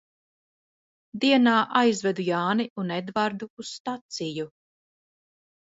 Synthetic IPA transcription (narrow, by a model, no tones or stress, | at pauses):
d̪iɛnaːʔajzvɛd̪ujaːniʔunɛd̪vaɾd̪uːst̪at̪siju